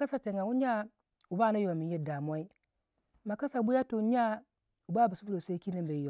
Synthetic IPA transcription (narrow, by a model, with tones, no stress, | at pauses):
a˦sa˨te˨ŋa˨wu˦ɲa˦ | u˨ba˦˨na˦jo˨mi˨nje˦da˨mʷ˦a˦i˦ | ma˨ka˦sa˨bu˦ja˦to˨˦ɲa˦ | u˨ba˦˨bi˨su˦bu˦ɾo˨sa˦ki˦ni˦mbe˨˦jo˨